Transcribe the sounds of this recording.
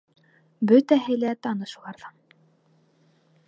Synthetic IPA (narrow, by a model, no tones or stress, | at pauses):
bɵt̪æɦɘ̆læt̪ɑnɤʃulˠɑɾðɑ